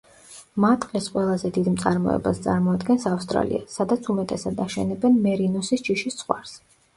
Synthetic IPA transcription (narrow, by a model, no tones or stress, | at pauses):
mat̪ʼqʼɛsqʼwɛlˠazɛd̪id̪mt̪sʼaɾmɔ̰ɛ̰bast̪sʼaɾmɔad̪ɡɛnsafst̪ʼɾa̰lḭasad̪at̪sʰumɛt̪ʼɛsad̪aʃɛ̰nɛbɛnmɛɾinɔsist͡ʃiʃist̪sʰχwa̰ɾs